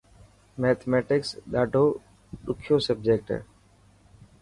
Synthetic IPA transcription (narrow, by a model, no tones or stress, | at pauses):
meːt̪ʰmeːʈɪksɗ̪aːɖʱoː | ɗʊkʰjoːsəb̚d͡ʒeːk̚ʈː